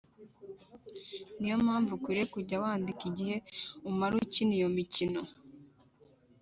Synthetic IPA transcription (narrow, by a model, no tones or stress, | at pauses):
nijo̞mhaːɱvukiɾekuɟawaːndikiɟihe̞umaɾucinijo̞micino̞